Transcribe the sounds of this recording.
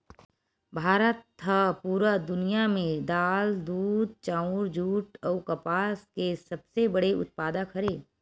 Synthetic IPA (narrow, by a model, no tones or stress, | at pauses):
bʱaːɾət̪ʰːəpuːɾad̪ʊnijamẽd̪aːld̪uːd̪̚t͡ʃãːʊɾd͡ʒʱuːʈɔːkɐpaːskesɐbsebɐɽeʊ̰t̪̚paːd̪akʰɐɾeː